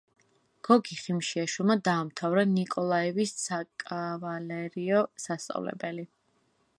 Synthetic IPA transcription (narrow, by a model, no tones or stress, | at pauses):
ɡ̥ɔɡiχimʃiaʃulˠmad̪aːmt̪ʰavɾanikʼɔlˠaɛvisːakʼavalɛɾiɔsast̪sʼa̰vlɛ̰bɛli